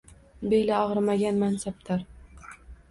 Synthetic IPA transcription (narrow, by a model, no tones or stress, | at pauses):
belaɒʁɾmaɡʲanmansap̚t̪ʰaɾ